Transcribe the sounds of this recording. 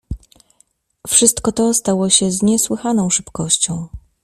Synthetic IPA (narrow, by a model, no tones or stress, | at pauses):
fʂɘst̪kɔt̪ɔst̪awɔɕɛzɲɛswɘxanɔ̃w̃ʂɘpkɔɕt͡ɕɔ̃w̃